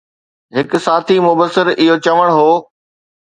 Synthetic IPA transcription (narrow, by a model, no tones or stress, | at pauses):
ɦɪkʊ̆saːt̪ʰimʊbəsːɪɾɪɦot͡ɕɐʋəɽ̃ɦoː